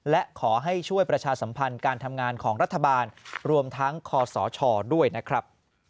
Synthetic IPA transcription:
lɛ˦˥ʔkʰɔː˩˦ɦa˥˩jt͡ɕʰu˥˩əjpɾa˧t͡ɕʰaː˧sa˩˦mpʰa˧nkaː˧nt̪ʰa˧mŋaː˧nkʰɔː˩˦ŋɾa˦˥t̪ʰːa˧baː˧nɾu˧əmt̪ʰa˦˥ŋkʰɔː˧sɔː˩˦t͡ɕʰɔː˧du˥˩əjna˦˥kʰɾa˦˥p̚

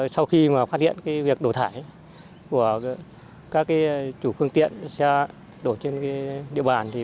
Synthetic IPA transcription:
sa˧wxi˧maː˨˩faː˦˥t̚hḭ˧˨ənkaː˨˦jvi˨˩ək̚ɗo˧˩t̪ʰaː˧˩j | ku˧˩ə | kaː˦˥kːaː˨˦t͡ɕu˧˩fɨ˧əŋt̪ḭ˧˨ənsa˧ | ɗo˧˩t͡ɕe˧nka˨˦ɗḭ˧˨əɓaː˨˩nt̪ʰi˨˩

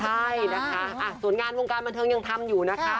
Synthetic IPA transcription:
t͡ɕʰa˥˩jna˦˥kʰa˦˥ʔa˧˩su˨˩˦ənŋaː˧nwo˧ŋkaː˧nba˧nt̪ʰɤː˧ŋja˧ŋt̪ʰa˧mjuː˨˩na˦˥kʰa˦˥

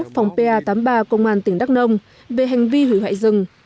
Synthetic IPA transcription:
k̚fa˨˩wŋ͡mpe˧ʔaː˧t̪aː˨˦mɓaː˧kə˧wŋ͡mʔaː˧˩nt̪ï˧˩ŋ̟ɗa˦˥k̚nə˧wŋ͡m | ve˨˩ɦa˨˩jŋ̟vi˧hwḭ˧˩wa̰ː˧˨jzɨ˨˩ŋ

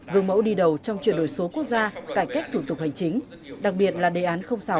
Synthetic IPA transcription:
vɨ˨˩əŋmə̰˧˥wɗi˧ɗə˨˩wt͡ɕɔ˧wŋ͡mt͡ɕwi˨ənɗo˧˩jso˨˦ku˦˥ək̚zaː˧kaː˧˩jka˦˥jk̚t̪ʰu˧˩t̪ʊ˨˩k̚ha˨˩jŋ̟t͡ɕï˨˦ŋ̟ | ɗa˨˩k̚ɓi˨˩ət̚laː˨˩ɗe˨˩ʔaː˨˦nxə˧wŋ͡msaː˧˦w

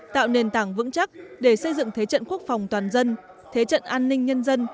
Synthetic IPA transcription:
t̪a̰ː˧˨wne˨˩nt̪aː˧˩ŋvɨ̰˧˥ŋt͡ɕa˦˥k̚ɗe˧˩sə˧jzɨ̰˧˨ŋt̪ʰe˨˦t͡ɕə̰˧˨nku˦˥ək̚fa˨˩wŋ͡mt̪waː˨˩nzə˧n | t̪ʰe˨˦t͡ɕə̰˧˨nʔaː˧nːï˧ŋ̟ɲə˧nzə˧n

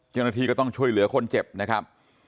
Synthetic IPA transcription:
t͡ɕa˧˩wnaː˧t̪ʰiː˧kɔː˥˩t̪ɔ˥˩ŋt͡ɕʰu˥˩əjlɯ˩˦ɐkʰo˧nt͡ɕe˨˩p̚na˦˥kʰa˦˥p̚

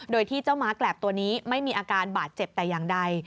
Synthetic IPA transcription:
doː˧jt̪ʰiː˥˩t͡ɕa˥˩wmaː˦˥klɛː˨˩p̚t̪u˧ɐniː˦˥ma˥˩jmiː˧ʔaː˧kaː˧nbaː˨˩t̪̚t͡ɕe˨˩p̚t̪ɛː˨˩ja˨˩ŋda˧j

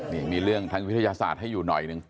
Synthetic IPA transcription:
niː˥˩miː˧ɾɯ˥˩əŋt̪ʰaː˦˥ŋwi˦˥t̪ʰa˧jaː˧sa̰ː˨˩t̪̚ha˥˩jːuː˨˩nɔ̰˨˩jnɯ˧ŋ

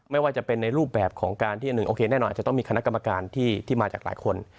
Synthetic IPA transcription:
ma˥˩jwaː˥˩t͡ɕa˨˩pe˧nːa˧jɾuː˥˩p̚bɛː˨˩p̚kʰɔː˩˦ŋkaː˧nt̪ʰiː˥˩a˨nɯ˨˩ŋʔoː˧kʰeː˧nɛ˥˩nɔː˧nʔ̚ːt͡ɕa˩t̪ɔ˥˩ŋmiː˧kʰna˦˥ka˧ma˧kaː˧nt̪ʰiː˥˩t̪ʰiː˥˩maː˧t͡ɕaː˨˩k̚la̰ː˩˦jkʰo˧n

